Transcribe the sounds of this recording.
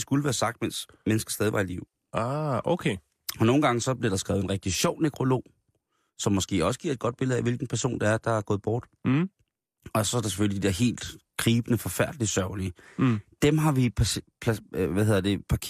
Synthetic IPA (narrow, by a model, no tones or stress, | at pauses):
sɡ̥uləʋæːɐsɑ̈ɡ̥̚d̥mens | menəsɡ̥ɐsd̥ɛːðˠiʋʔɑ̈iliʊ̰ | ɑokʰe | ɒ̽no̝ːn̩ɡ̥ɑ̈ŋəsɒ̽b̥leɐɾ̥ɑ̈sɡ̥ʁɛːʊenʁɛɡ̥̚d̥iɕɒʊ̰neɡ̥ʰʁo̝lo̝̰ː | sɒ̽mːɒ̽sɡ̥e̝̰ːɒ̽sə̥ɡ̥iɐe̝d̚ɡ̥ɒ̽d̥̚b̥e̝lð̩ˠæʋe̝lɡ̥n̩pʰæɐso̝̰ːnd̥ɑæɐd̥ɑ̈æɐɡɔ̽ːð̩ˠb̥ɒːd̥ | ɒ̽sɒ̽æɐɾɑse̥føljid̥id̥ḛɐ̰ɦe̝̰ːld̥ɡ̥ʰʁiːb̥ənəfɒ̽fæɐ̰d̥lisɶʊliəd̥emɦɑ̈ʋipʰpʰʋæhe̝ðˠɐd̥e̝pʰɑ̈kʰ